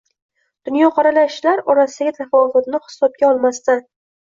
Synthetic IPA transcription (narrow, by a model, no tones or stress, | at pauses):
d̪̥ʊnjɒqʰɑɾalaʃlaɾɒɾasɪd̪aɡʲat̪ʰafɒvʊt̪nɪhɪ̥sɒb̚ɡʲaɒlˠmast̪a